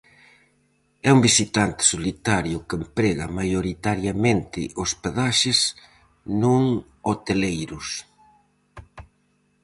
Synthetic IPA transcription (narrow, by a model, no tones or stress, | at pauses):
ɛumbisit̪ant̪ɪ̥solit̪aɾjʊkempɾeɣɐmajoɾit̪aɾjamẽnt̪ɪʔospeðaʃɪs | nuŋ | ot̪elejɾʊs